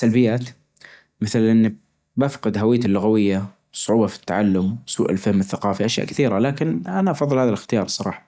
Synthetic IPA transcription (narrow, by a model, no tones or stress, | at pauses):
salbɪjːaːt̪ | mɪθlʔɪnːi | bafqɪd̪ɦawɪjːat̪ɪlːʊɣawɪjːa | sˤʊʕuːbɑfi̥t̪ːaʕalːʊmwsṵːʔɪlfɪhmɪθːaqɑːfiʔaʃja̰ʔkɪθiːɾalaːkɪnʔanaʔɑfɑðˤːɨlhaːðalɪxt̪ɪjɑːɾˤsˤɑɾˤɑ̰ːħɑ̥